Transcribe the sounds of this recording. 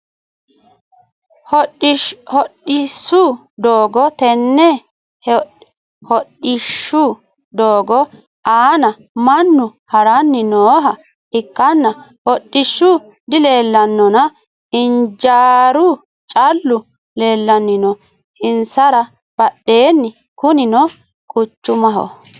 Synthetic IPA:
h | hɔɗɪsːʊ | d̪oːɡɔt̪ɛnːɛ | h | hɔɗɪʃːʊ | d̪oːɡɔ | aːnɐ | mɐnːʊhɐɾɐnːɪnoːɦɐ | ɪkːɐnːɐhɔɗːɪʃːʊ | d̪ɪle̞ːlːɐnːɔnɐ | ɪnd͡ʒaːɾʊ | t͡ʃʼɐlːʊ | le̞ːlːɐnːɪnɔ | ɪnsɐɾɐ | b̥ɐɗːe̞ːnːɪ | kʊnɪnɔ | kʼʊt͡ʃːʊmɐɦɔ̰

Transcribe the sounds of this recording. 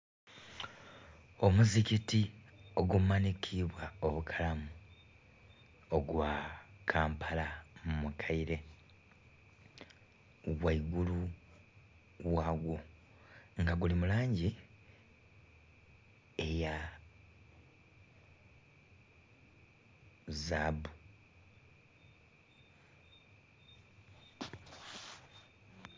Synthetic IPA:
o̞muzicitio̞ɡumanikʰiβwaoβukʰalamu | oɡwakʰaːmpʰalamumukʰaiɾe̞ | ɣwaiɡulu | waːɡwo | ŋɡaɡulimulaːɲɟi | eja | zabu

